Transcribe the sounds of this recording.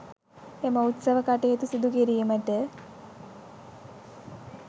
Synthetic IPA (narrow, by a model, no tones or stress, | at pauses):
eməut̪sɐʋəkaʈeet̪usid̪uɡeɾijməʈə